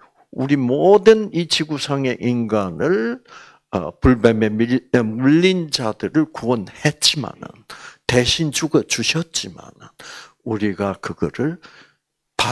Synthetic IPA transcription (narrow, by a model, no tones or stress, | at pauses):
uɾimodɯnit͡ɕiɡusʰaŋe̞ʔinɡanɯɭ̰ | puɭbememiemuʎːind͡ʑadɯɾɯɭkuwʌnhet̚t͡ɕ͈ima̰nɯ̰nte̞ɕʰind͡ʑuɡʌt͡ɕuɕʰʌt̚t͡ɕ͈ima̰nɯ̰n | uɾiɡakɯɡʌɾɯɭ | pa